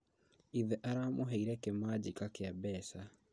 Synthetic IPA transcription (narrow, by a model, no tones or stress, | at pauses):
iðɛʔaɾaːmoɦeiɾɛkemad͡ʑikakɪabɛːsa